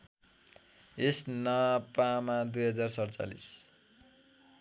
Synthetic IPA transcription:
esnʌpamad̪ujɦʌd͡zarsʌɽt͡sa̰lḭs

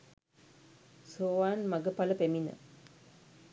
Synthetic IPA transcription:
soːʋaːnmaɡəpaləpeminə̰

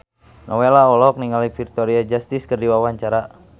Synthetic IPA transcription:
nʔɔwelaɔlɔk̚niŋalifirt̪ɔɾiad͡ʒast̪iskərdiwawaɲt͡ʃaɾa

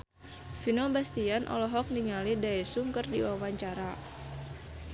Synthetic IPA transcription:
finɔbast̪ianʔɔ̰lɔɦɔk̚niŋalidaɛsuŋkərdiwawaɲt͡ʃaɾa

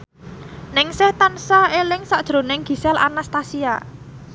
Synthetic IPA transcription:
nɪŋsɪht̪ansaelɪŋsad̥ʒ̥ɾo̤nɪŋɡ̥i̤sɛlʔa̰nast̪asia̰

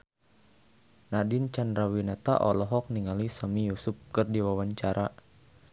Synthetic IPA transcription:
nadint͡ʃandɾawinat̪a̰ʔɔlɔɦɔk̚niŋalisəmijusup̚kərdiwawaɲt͡ʃaɾʔa

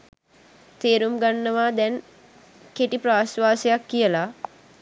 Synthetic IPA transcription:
t̪eːɾumɡanːəʋaːd̪ɛn | keʈipɾaːsʋaːsejakːijəla

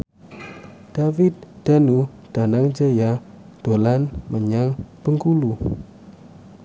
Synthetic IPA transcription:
d̥avɪt̪̚d̥anu | d̥anaŋd͡ʒaja | d̥olanməɲaŋpəŋkulu

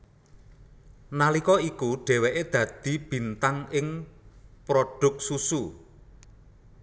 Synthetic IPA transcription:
nalikɔikuɖ̥ɛ̤wɛʔed̪̥ä̤d̪̥i̤b̥i̤nt̪aŋɪŋ | pɾoɖ̥ʊ̤k̚susu

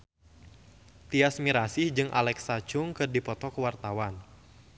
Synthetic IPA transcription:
t̪iasmiɾasɪhd͡ʒɨŋʔa̰lɛksat͡ʃʊŋkɨrdipɔt̪ɔkəwart̪awan

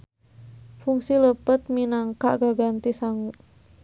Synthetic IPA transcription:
fuŋsiləpət̪̚minaŋkaʔɡaɡant̪isaŋu

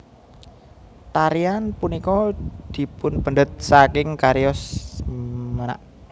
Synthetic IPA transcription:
t̪aɾianpunikɔd̪̥i̤pʊnpənd̪ət̪̚sakɪŋkaɾiɔs | məna̰ʔ

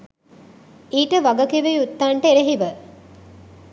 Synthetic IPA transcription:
iːʈəʋaɡəkiʋejut̪ːaɳʈəeɾeɦiʋə

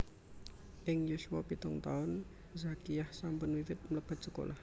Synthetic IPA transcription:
ʔɪŋjusuapit̪ʊŋt̪aʊn | zakijahsampʊnwiwɪt̪̚mələb̥a̤t̪̚sə̥ko̰lah

